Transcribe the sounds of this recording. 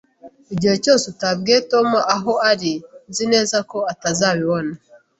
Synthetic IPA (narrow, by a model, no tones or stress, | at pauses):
uɟihe̞co̞ːsetabɡeto̞muʔaɦo̞aɾizine̞ːzako̞atazaːβiβo̞na